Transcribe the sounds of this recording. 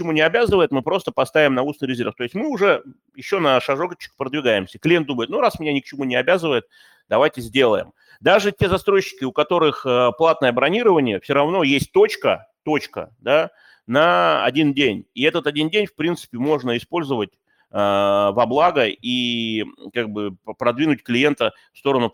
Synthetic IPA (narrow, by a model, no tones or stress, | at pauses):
kt͡ɕɪmunʲɪɐbʲazɨvəjɪt̪mɨpɾo̞st̪əpɐst̪avʲɪmnɐusnɨjɾʲɪzʲerft̪o̞ɪsʲtʲmɨʊʐɛ | jɪɕːo̞nəʂɐʐokət͡ɕːɪ̥kpɾəd̪vʲɪɡajɪmsʲəklʲenuməjɪt̪nuɾasmʲɪnʲanʲɪk̚t͡ɕɪmunʲɪɐbʲazɨvəjɪt̪̚ | d̪̥ɐvajtʲɪzʲdʲe̞lˠə̰jɪ̰m | d̪aʐɨtʲe̞zɐst̪ɾo̞jɕːɪ̥kʲɪʊkɐt̪o̞ɾɨxəplˠat̪nəjəbɾɐnʲiɾəvənʲɪjəfsʲoɾɐvno̞jesʲt̚ʲt̪o̞t͡ɕkət̪o̞t͡ɕkə̰d̪a | nəɐ̰dʲindʲenʲiɛt̪ət̪ɐdʲindʲenʲfpɾʲint̪sɨ̥pʲɪmo̞ʐnəɪspo̞lʲzəvətʲ | əvɐblˠaɡəi | kaɡ̚bɨpɾɐd̪vʲinʊtʲklʲɪje̞nt̪ə | fst̪o̞ɾənʊ